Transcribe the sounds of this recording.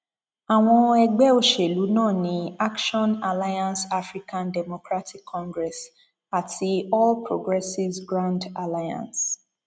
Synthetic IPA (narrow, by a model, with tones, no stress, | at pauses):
a˨w̃ɔ̃˧ɛ˨ɡ͡bɛ˦o˨ʃe˨lu˨˦nãː˦˨nĩ˦a˦kʃɔ̃˦na˨la˦jã˦nsa˦fɾi˦kã˦ndɛ˨mo˨kɾa˦tʰi˦kʰːɔ̃˦ŋɡɾɛ˨s | a˨tʰi˧ɔ˦lpɹo˦ɡɾɛ˦si˦sɡɾã˦nda˨la˦jã̰˨ns